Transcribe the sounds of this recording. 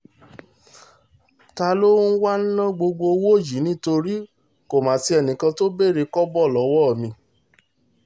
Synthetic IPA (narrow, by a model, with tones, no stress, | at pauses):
ta˧lo˦n̩˦wa˦n̩˦nã˦ɡ͡bo˧ɡ͡bo˧wo˦˨ji˨˦nĩ˦to˧ɾi˦ | ko˨mãː˨˦ti˧ɛ˧˨nĩ˨kã˧to˦be˦˨ɾe˧kɔ˦bɔ˦˨lɔ˨˦wɔ˦˨mĩ˧